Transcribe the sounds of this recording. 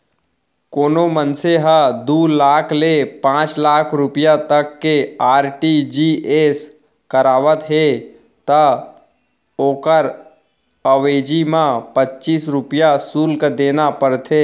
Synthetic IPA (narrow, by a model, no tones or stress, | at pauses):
koːnomənseɦəd̪uːlaːkʰlepãːt͡ʃlaːkʰɾʊpɪjat̪əkːeaːɾʈid͡ʒiːeːs | kəɾaːʋət̪ɦe | t̪a | oːkəɾ | əʋeːd͡ʒimãpətːt͡ʃiːsɾʊpɪjasuːlkəd̪eːnapəɾt̪ʰeː